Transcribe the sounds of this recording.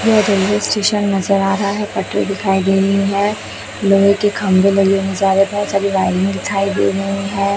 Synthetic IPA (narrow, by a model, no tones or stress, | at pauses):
jeɐd͡ʒ̪ɐlːesʈeːʃənːɐzəɾaːɾɐɦaɦɛpɐʈɾḛd̪ɪkʰaːiɡ̪eiɦɛ̃ː | loːɡekekʰɐmbelɐɡiomẽzaːɾbɐɦt̪sabʱiʋaːɪlɪ̃ŋɡd̪ɪkʰaːid̪ḛːɡɐiɦɛ̃ː